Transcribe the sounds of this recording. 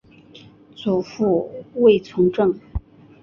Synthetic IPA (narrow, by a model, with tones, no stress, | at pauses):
t͡su˨˩fu˥˧we˥˩ɪt͡sʰʊ˧˥ŋʈ͡ʂɤ˥˩ŋ